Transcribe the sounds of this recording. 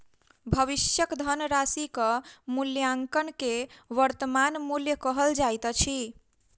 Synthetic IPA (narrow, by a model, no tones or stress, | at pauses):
bʱəβisjəkd̪ʱənɾasikəmuljaŋkənkeʋəɾt̪əmanmuljəkəɦəld͡ʒajt̪t͡ʃʰi